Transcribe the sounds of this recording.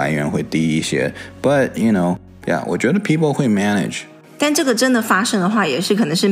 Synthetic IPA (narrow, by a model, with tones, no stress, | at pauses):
a̰˧ɪɥɛ˧˥nxwe˥ɪt̪i˥i˥˩ɕjɛ̰˦b̥ɐ˨t̚juno˥ʊ | ja̰˩wʔɔ̰˨˩t͡ɕɥɛ˧˦ɾə˧pʰi˥pl̩ˠxwe˥˧ɪmænɪ̰̥˨d͡ʒ | t̪a˥˧nʈ͡ʂɤ˥˩ɡə˩ʈ͡ʂə˥nd̪ə˨fa˥ʂɤ˥ŋd̪ə˨xwa˥˩jɛ˨˩ʂɻ̩˥˩kʰɤ˨˩nɤ˧˥ŋʂɻ̩˥˩